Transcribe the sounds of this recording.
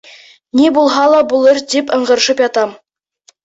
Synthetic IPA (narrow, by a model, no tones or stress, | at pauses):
nibulˠɦɑlˠɑbulˠɤɾd̪ipɤ̆ɴɢɤ̆ɾ̆ʃɤpjɑt̪ɑm